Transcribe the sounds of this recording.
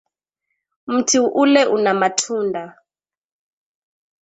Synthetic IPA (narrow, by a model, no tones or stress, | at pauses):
m̩tʰiuʔulɛʔunamatʰuːndʱa